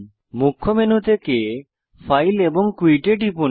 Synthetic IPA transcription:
mukʰːomenut̪ʰeke | fʰajleboŋkwiʈeʈipun

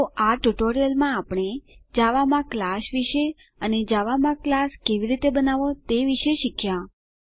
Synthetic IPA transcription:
oʔaʈuʈoɾijəlmãapɳ̃ed͡ʒaʋamãklaʃʋiʃe | əned͡ʒaʋamãklaskeʋiɾit̪ebənaʋot̪eʋiʃeʃikʰja

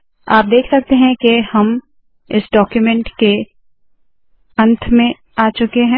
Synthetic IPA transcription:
aːp̚d̪eːkʰsɐk̚t̪eɦɛ̃kehɐm | ɪsɖɔːkjumɛ̃ɳʈke | ɐ̃nt̪ʰmẽ | aːt͡ʃʊkeɦɛ̃ː

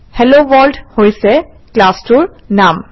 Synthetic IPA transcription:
hɛloʋɔldhojsɛ | klastuɹnam

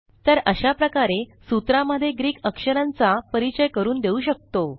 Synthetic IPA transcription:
t̪əɾəɕapɾəkaɾesut̪ɾaməd̪ʱːjeɡɾiːkʰəkʂəɾãnt͡sapəɾit͡ɕəjkəɾuːnd̪euɕək̚t̪o

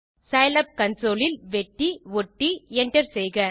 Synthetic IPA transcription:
sɐjlɐp̚kɐnsoːlɪlʋɛʈːiʋɔʈːiɛɳɖɐɾsɛjɣɐ

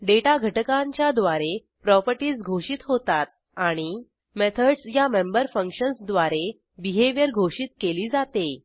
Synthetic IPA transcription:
ɖeʈaɡʱəʈəkãɲt͡ɕjad̪ʋaɾe | pɾɔpəɾʈiːsɡʱoɕiːt̪ɦot̪at̪̚ | aɽ̃i | met̪ʰəɽsjamembəɾfəŋkɕənsd̪ʋaɾe | biɦeʋjəɾɡʱoɕiːt̪keliːd͡zat̪e

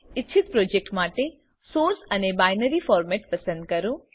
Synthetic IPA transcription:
ɪtːt͡ʃʰit̪pɾoːd͡ʒek̚ʈmaːʈe | soːɾsɐnebaːjnəɾifʰɔːɾmeʈ̚pɐsə̃nd̪̚kɐɾũ

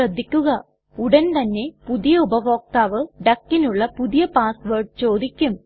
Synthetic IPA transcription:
ɐd̪ʱːikʲːuɣɐ | uɽɐnt̪ɐnːe̞puðijɐubɐʋo̞ːk̚t̪aːʋɨɖɐkːinuɭːɐpuðijɐpaːsʋɐːɖt͡ɕo̞ːd̪ikʲːum

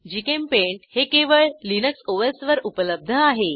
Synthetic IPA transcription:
d͡ʑikempeɳʈhekeʋəɭlinəksoʋesʋəɾupələb̚d̪ʱəaɦe

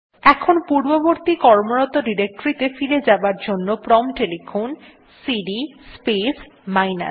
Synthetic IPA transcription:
ɛkʰonpuɾboboɾt̪ikɔɾmoɾɔt̪oɖiɾek̚ʈoɾit̪efiled͡ʑabaɾd͡ʑonːopɾɔmʈelifon | siɖispesmajna̰s

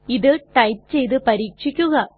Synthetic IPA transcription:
iðɨʈɐjʈ̚t͡ɕe̞jt̪ɨpɐɾiːkʂikʲːuɣɐ

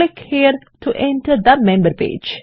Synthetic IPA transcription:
ɪkhiəɾ | tʰuʔɛ̃nʈəɾd̪əmẽmbəɾpḛːd͡ʒ

